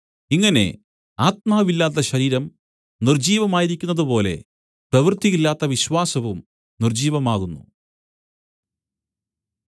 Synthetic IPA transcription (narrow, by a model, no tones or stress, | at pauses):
iŋːɐne̞̰ | aːt̪̚maːʋilːaːt̪̬ːɐɕɐɾiːɾɐm | nird͡ʑiːʋɐmaːjiɾikʲːunːɐðɨpo̞ːle̞̰ | prɐʋrt̪iɣilːaːt̪ːɐʋiɕwaːsɐʋum | nird͡ʑiːʋɐmaːɣunːṵ